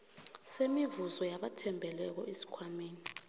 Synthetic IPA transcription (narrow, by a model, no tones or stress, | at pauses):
semivuzɔjaɓatʰɛmbʱɛlɛk̬ɔ̰esi̥kʰwamiːni